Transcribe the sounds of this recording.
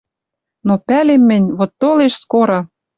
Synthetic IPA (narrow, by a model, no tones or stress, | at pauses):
nopælemːɘ̆nʲβot̪ːoleʃskoɾɑ